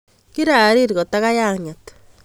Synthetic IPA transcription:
kiɾa˨ɾiɾi˨ɣo˨taɣa˦ja˦ɲato̥

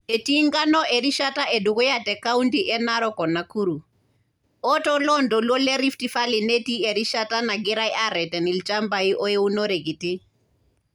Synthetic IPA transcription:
e˨tiŋɡa˦nɔ˦ʔe˨ɾi˦ʃata˦ʔe˨du˨ku˦jatɛ˨ka˦untiʔɛ˦naɾɔkɔ˨na˨ku˦ɾu˨ | ɔtɔlɔndɔ˨lwɔ˦lɛ˦ɾi˦ftifa˦li˨ne˦ti˦e˨ɾi˦ʃata˦na˨ɡi˦ɾa˦i˦ʔa˦ɾɛ˨tɛ˨ni˨lt͡ʃa˦mba˨i˦ʔɔ˦jɛ˦u˦nɔ˦ɾe˨ɡi˨ti˦

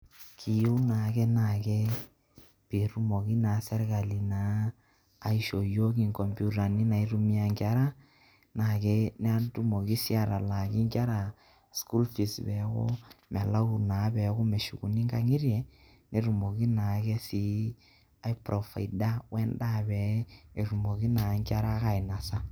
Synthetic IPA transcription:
kʰi˨ju˦na˨ke˦na˨ke˦ | pi˨ɾu˦mo˨ki˦naː˨˦sɛ˦ɾka˨li˨naː˨˦˨ | i˦ʃo˨jo˦k̬i˦ŋkɔ˨mpu˦ɾa˨ni˦na˨i˦ɾu˦mi˦a˨ŋka˦ɾa˦ | na˨ke˦nɛ˦a˦ntu˦mo˨ki˦si˦a˨ɾa˨la˨ki˦ŋka˦ɾa˨ | sku˦lfi˨sbɛ˨˦ko̰˦mɛ˨la˦u˨naː˨˦bɛ˨˦ko˦me˨ʃu˨ku˨ni˦ŋka˦ŋi˦ɾjɛ˨ | ne˨ɾu˨mo˨ki˦na˨ke˦si˦ | a˦jpɾɔ˨fa̰˨i˨da˦wɛ˦nda˦bɛ˨˦e˨ɾu˨mo˨ki˦na˨˦ŋkʲa˦ɾa˦ka˨i˨na˨sa˦

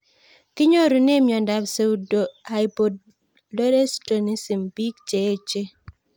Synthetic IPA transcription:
kɪ˦ɲo˦ɾu˨ne˦mjɔ˨nda˨bse˨u˨do˨ha˨jpo˨d̚ | lo˦ɾe˦sto˨ni˦si˨mbi˦kt͡ʃe˨˦t͡ʃe˦

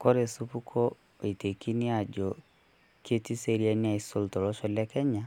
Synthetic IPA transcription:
ko˦ɾe˨su˦pu˦kʰɔ˦˨ | i˨te˨ki˦ni˦a˨d͡ʒɔ˨ | ke˦ti˦se˦ɾi˦a˦nia˦˨iso˦ltɔ˨ɾɔ˦ʃɔ˦lɛ˦kɛ˦ɲa˦

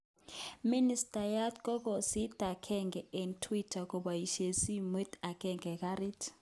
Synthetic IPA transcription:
mi˦nistʼajatkɔ˦k̬ɔ˨si˦d̥ʱa˨kʰɛŋɡɛe˨ntʰwi˦tʰak̬ʼɔ˨ɓaji˨ʃe˨si˦me˦ta˨kʰɛŋɡɛ˨k̬ʼari˦tʰ

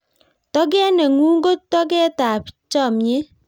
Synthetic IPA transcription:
tɔ˦ɡ̬ɛ˦nɛ˨ŋu˦ŋ˦ɡo˦tːɔ˦ɡɛ˦ta˨pt͡ʃɔ˦˨mɲe˦

